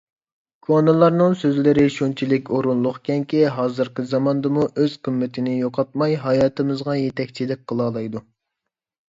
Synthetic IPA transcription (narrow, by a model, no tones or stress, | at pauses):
kʰonɨlˠɑɾnɨŋsøzlɪɾɪʃunt͡ʃʰilɪkʲoɾunlˠʊχkʲɛŋkʲiɦɑːzɨɾqəzɑmɑnd̪ɨmuʔøz̥qʰəmːɪt̪ʰɪnɪjoqʰɑt̪̚mɑjɦɑjɑːt̪ʰɨmɨzʁɑjet̪ʰɛkʲt͡ʃʰid̪ɪk̚ʲqʰːəlˠɑːlˠɑjd̪u